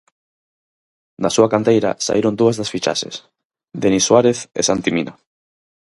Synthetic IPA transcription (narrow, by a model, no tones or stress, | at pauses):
nasuakant̪ejɾa̰sa̰iɾond̪uazðasfit͡ʃa̰ʃes | d̪eniswaɾeθḛsant̪imina